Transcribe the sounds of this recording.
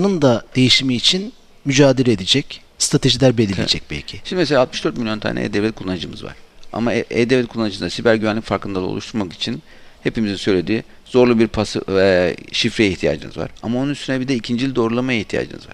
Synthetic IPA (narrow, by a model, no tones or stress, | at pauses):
nɯnd̪ad̪̥e̞jiʃimiːt͡ʃʰin | myd͡ʒaːd̪eɾɛed̪ed͡ʒɛc | st̪ʰɾat̪ʰe̞ʒilʲæɾbe̞lʲilʲed͡ʒɛc̚bɛ̰lʲcʰɪʃimd̪imeselʲalt̪mɯʃd̪ø̞ɾt̪milʲjo̞nt̪ʰa̰ːnʔɛ̰ḛːd̪evlʲɛt̪̚kʰulˠːanɯd͡ʒɯmɯ̰zva̰ɾ̥a̰maeːd̪evlɛt̪̚kulˠːanɯd͡ʒɯd̪asibæɾɟyvænlʲicfaɾkʰɯnd̪alˠao̰lˠuʃt̪ʰuɾmaki̥t͡ʃʰin | he̞pimizinsø̞jlʲe̞d̪iː | z̥o̞ɾlˠubiɾpʰasɛʃifɾejiht̪ʰija̰ːd͡ʒɯ̰nɯzva̰ɾ̥amaonunyst̪ynɛbid̪ɛicʰind͡ʒilʲid̪o̞ɾulˠamajaiht̪ʰija̰ːd͡ʒɯ̰nɯ̰zva̰ɾ